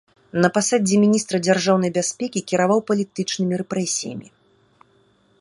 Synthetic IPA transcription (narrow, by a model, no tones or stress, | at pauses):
nɐpasad͡zʲimʲinʲist̪ɾɐd͡zʲarʐawnɐjbʲasʲpʲɛkʲikʲiɾavawpɐlʲit̪ɨt͡ʂnɨmʲiɾɛpɾɛsʲijɐ̰mʲḭ